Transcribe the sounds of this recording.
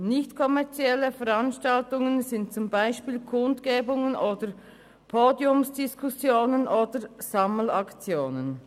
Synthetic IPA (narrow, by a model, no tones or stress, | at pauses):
nɪçtkʰɔmɛʁt͡siɛlːəfəʁanʃtaltʊŋənzɪntt͡sʊmbaɪʃpiːlkʰʊndɡ̥eːbʊŋənʔoːdə | pʰoːdiʊmsd̥ɪskʰusjoːnənʔoːdəɾz̥ɑml̩ɑkt͡sjoːnən